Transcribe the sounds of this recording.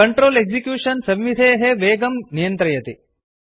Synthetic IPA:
ɐɳʈɾoːleɡsikjuːʂɐnsɐʋʋid̪ʱeːɦeʋeːɡɐmnijɐnt̪ɾɐjɐt̪e

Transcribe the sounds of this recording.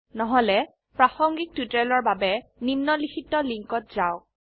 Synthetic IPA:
nɔɦɔlɛ | pɹaxɔŋɡik̚tutɛlɔɹbabɛnimnɔlikʰitɔliŋkɔt̚zaʊ

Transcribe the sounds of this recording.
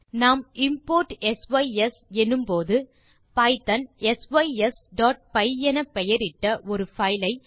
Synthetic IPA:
naːmɪmpoːɾʈɛsʋɐɪɛsɛnːɯmpoːðɯ | pɐɪt̪ɐnɛsʋɐɪɛsɖaːʈ̚pɐɪɛnɐpːɛjɐɾɪʈːɐʔɔɾɯfɐɪlɐɪ

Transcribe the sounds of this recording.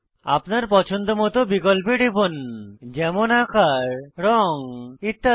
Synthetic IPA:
a̰pnaɾpɔt͡ʃʰɔnd̪ɔmɔt̪obikɔlpeɖibɔnd͡ʒɛmonakaɾɾɔŋit̪ːa

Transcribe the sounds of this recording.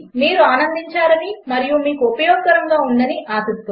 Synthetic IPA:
miːɾuaːnɐnd̪iɲt͡ʃaːɾɐnimɐɾijumiːkuupɐjoːk̚t̪ɐɾɐŋɡaːuɳɖɐniʔaːsɐt̪ːu

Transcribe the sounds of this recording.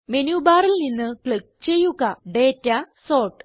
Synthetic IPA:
menuːbaːrilninːɨkɭik̚t͡ɕe̞jːuɣɐɖeːtːɐ | soːʈ

